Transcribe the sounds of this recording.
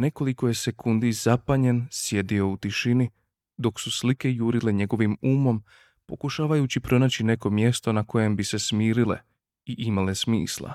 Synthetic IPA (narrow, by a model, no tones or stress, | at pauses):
ne̞ko̞liko̞je̞se̞kund̪iz̥apaɲe̞nsje̞d̪io̞ut̪iʃini | d̪o̞ksuslike̞juːɾile̞ɲe̞ɡo̞ʋimuːmo̞m | po̞kuʃaːʋajut͡ɕipɾo̞naːt͡ɕine̞ko̞mje̞st̪o̞nako̞je̞mbise̞smiːɾile̞̰ | iʔimale̞smḭːslˠa̰